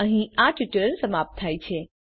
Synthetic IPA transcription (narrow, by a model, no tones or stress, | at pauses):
əɦĩaʈuʈəɾənsəmap̚t̪ʰːajt͡ʃʰe